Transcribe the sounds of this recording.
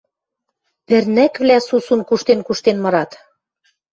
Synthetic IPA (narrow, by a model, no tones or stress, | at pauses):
pɘ̆rnækβlæsusunkuʃt̪enkuʃt̪enmɤ̆ɾɑt̪